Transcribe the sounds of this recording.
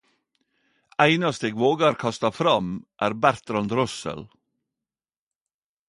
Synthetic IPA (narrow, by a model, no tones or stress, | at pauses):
æɪnɑst̪əeːɡʋoːɡɑɾkʰɑst̪ɑfɾɑmʔæːɾbæɾt̪ɾɑnd̪ɾɔsə̰l